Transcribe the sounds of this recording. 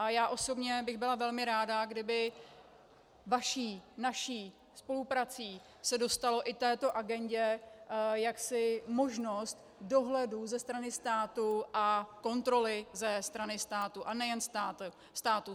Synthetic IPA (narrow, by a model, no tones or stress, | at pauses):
ʔajaːʔo̞so̞bɲɛbɪɣbɪlavɛlmɪɾaːdaɡdɪbɪ | vaʃiːnaʃiː | spo̞lupɾat͡siː | sɛdo̞st̪alo̞ʔɪt̪ɛːt̪o̞ʔaɡɛɲɟɛ | jaksɪmo̞ʒno̞st̪ | do̞ɦlɛduzɛst̪ɾanɪst̪aːt̪uʔako̞nt̪ɾo̞lɪzɛst̪ɾanɪst̪aːt̪uʔanɛjɛnst̪aː | st̪aːt̪u